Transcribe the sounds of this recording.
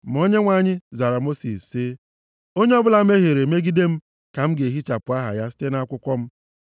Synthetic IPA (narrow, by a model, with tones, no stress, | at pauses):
m̩˨o˦ɲe˦ŋʷa˨ɲɪ˦za˨ɾa˨mo˦sḭ˨se˦ | o˦ɲe˦ɔ˦bʊ˦la˦m̩˦e˦ɦe˨ɾe˨me˦ɡi˦de˦m̩˦ | ka˨m̩˦ɡe˨ɦi˦t͡ʃa˨pʊ˨a˦ɦa̰˨ja˦si̥˦te˦na˦kʷʊ˦kʷɔ˦m̩˦